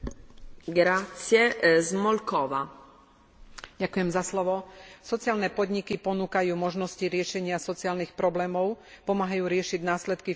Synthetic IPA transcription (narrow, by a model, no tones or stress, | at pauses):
ɡɾat̪sɪɛzmɔlkɔʋa | ɟakujɛmzaslɔʋɔsɔt͡sɪaːlnɛpɔd̪ɲikipɔnuːkajuːmɔʒnɔsciɾɪɛʃɛɲɪasɔt͡siaːlnixpɾɔblɛːmɔʊ | pɔmaːɦajuːɾɪɛʃiɟnaːslɛt̪ki